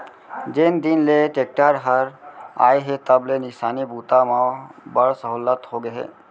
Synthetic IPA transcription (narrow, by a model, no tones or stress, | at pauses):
d͡ʒend̪inleʈeːk̚ʈaɾɦəɾa̰ːeɦet̪əblenɪsaːnibuːt̪amãbəɽsəɦʊlət̪ɦoɡeɦḛː